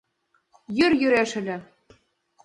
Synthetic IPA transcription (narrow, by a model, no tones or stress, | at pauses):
jørjyɾæʃɘ̆lʲɘ̆